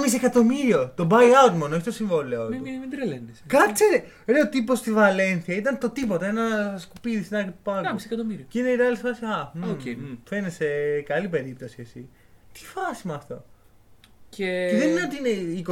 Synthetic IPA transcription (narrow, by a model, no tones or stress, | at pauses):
mis̬ekɐt̪o̞miɾio̞t̪o̞bɐiɐut̪monoeçit̪osiɱvo̞leot̪umid̪ɾeleneskɐt͡seɾe | ɾeot̪ipo̞st̪ivɐle̞nθiɐit̪ɐnt̪o̞t̪ipo̞t̪ɐenɐskupiðisenɐkɾipɐkisekɐt̪omiɾiineiɾɐlifɐsiɐmoefenesekɐlipe̞ɾip̚t̪o̞siesi | t̪i̥fɐsimɐːft̪o̞̰ | ceeðeninot̪iineiko